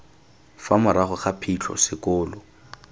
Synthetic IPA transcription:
famʊɾaχʊχapʰit͡ɬʰɔ̰sɪkʊːlɔ

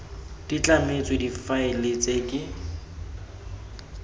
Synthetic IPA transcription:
d̥it͡ɬʼamet͡sʼwedifaɪlet͡sʼekʼɪ

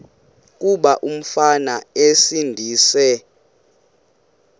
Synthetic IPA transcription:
k̬ʼuɓaʔum̩fanaesindʱiːsɛ

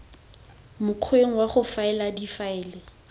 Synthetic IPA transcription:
mʊq͡χʰweŋ̩waχʊfaɛladifaɪːlɛ

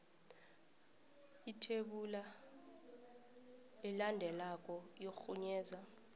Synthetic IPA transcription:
itʰeɓula | ɛlandʱɛlakʼɔjoxuɲɛːza

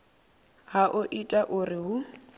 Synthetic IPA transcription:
haʔʊʔitʼaʔʊrɪɦʊ

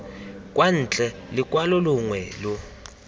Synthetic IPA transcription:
kʼwan̩t͡ɬʼɛlɪkʼwalɔluŋwɛːlu

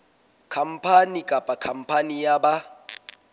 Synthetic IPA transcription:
kʰam̩pʰanikʼapʼakʰam̩pʰanijaɓa

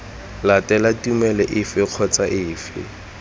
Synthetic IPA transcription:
latʼɛlatʼumɛlɛʔɪfɪq͡χʰɔt͡saʔɪːfɪ̰

